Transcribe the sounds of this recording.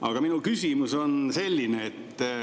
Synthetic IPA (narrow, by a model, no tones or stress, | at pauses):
ʔɑ̰ɡ̥ɑminulkysʲimuso̞nse̞lʲːineːt̪ː